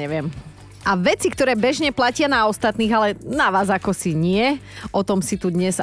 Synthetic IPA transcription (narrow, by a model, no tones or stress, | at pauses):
ɛʋɪɛm | ʔaʋɛt͡sikt̪ɔɾɛːbɛʒɲɛplacɪanaɔst̪at̪niːɣalɛnaʋaːzakɔsiɲɪɛʔɔt̪ɔmsit̪ud̪ɲɛz